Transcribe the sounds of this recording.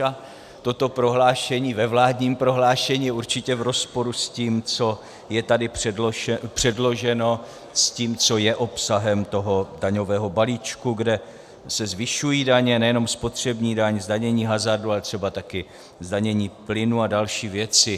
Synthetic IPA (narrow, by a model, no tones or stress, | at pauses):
a | t̪o̞t̪o̞pɾo̞ɦlaːʃɛɲiːvɛvlaːdɲiːmpɾo̞ɦlaːʃɛɲiːjɛuɾt͡ʃɪcɛvɾo̞spo̞ɾusciːmt͡so̞ | jɛt̪adɪpɛpr̝̥ɛdlo̞ʒɛno̞ | sciːmt͡so̞jɛʔo̞psaɦɛmt̪o̞ɦo̞daɲo̞vɛːɦo̞baliːt͡ʃkuɡdɛ | sɛzvɪʃujiːdaɲɛnɛjɛno̞mspo̞t̪r̝̥ɛbɲiːdaɲzdaɲɛɲiːɦazardualɛt̪r̥ɛbat̪akɪ | zdaɲɛɲiːplɪnuadalʃiːvjɛt͡sɪ